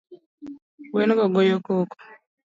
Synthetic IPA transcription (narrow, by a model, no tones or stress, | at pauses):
wenɡɔɡojokoːko̥